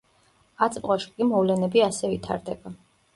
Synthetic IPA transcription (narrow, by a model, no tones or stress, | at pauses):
at̪sʼpʼqʼɔʃi̥kʼimɔvlɛnɛbiasɛvit̪ʰa̰ɾd̪ɛ̰ba